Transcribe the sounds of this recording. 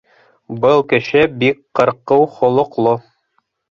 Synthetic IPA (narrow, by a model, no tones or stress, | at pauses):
bɤlˠkɘ̆ʃɘbikqɤ̆ɾqɤwχŏlˠŏqlˠo